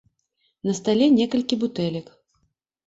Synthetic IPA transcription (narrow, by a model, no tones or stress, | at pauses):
nɐst̪alʲɛnʲɛkɐlʲkʲibut̪ɛlʲɐk